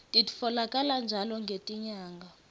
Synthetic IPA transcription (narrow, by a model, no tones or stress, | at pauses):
tʼitʼi̥fɔlakʼaland͡ʒʱalɔŋɡʱetʼiɲaːŋɡʱa